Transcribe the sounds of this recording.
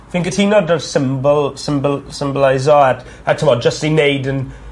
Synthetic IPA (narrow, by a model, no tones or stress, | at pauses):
θɪ̃ŋkɪthinɔdəv̥sɪ̃mbəlˠsɪ̃mbəlsɪ̃mbəlaɪzɔət | ətʰəmɔd͡ʒʌsineɪdə̃n